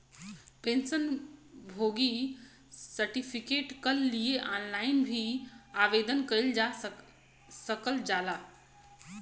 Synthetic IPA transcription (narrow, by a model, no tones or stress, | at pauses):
pẽnsənbʱoːɡi | səɾʈipʰikeːʈkəlːieʔaːnlaːɪnbʱiaʋed̪ənkəild͡ʒa | səkəld͡ʒaːlaː